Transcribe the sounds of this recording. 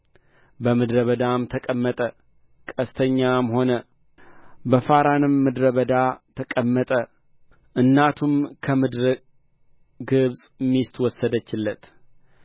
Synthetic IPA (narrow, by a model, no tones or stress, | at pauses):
bəmɨd̪ɾəβəd̪amt̪ʰəkʼəmːət̪ʼə | kʼəst̪ʰəɲːamho̞nə | bəfaɾanɨmːɨd̪ɾəβəd̪at̪ʰəkʼəmːət̪ʼə | ʔɨnːat̪ʰumkʰəmɨd̪ɾɨ | ɡɨβsʼmːist̪wɔsːəd̪ət͡ʃːɪlːət̪